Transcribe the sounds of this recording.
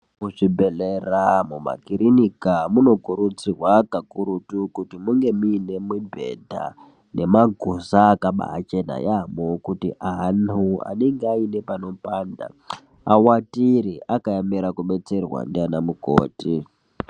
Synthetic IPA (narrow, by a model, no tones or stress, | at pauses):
muʐibʱeleramuma̰kiɾinikamuno̞kuɾut͡sirwakakuɾutukutimuŋɡe̞miːne̞mibʱe̞̰dʱa̰ | ne̞maɡʱosaːkaɓa̰ːt͡ʃe̞na̰jamokutiʔaɦnua̰neŋɡeaine̞pano̞paːnda̰ | awatiɾiʔakajamiɾakuɓe̞t͡se̞rwa̰ndianamuko̰ːti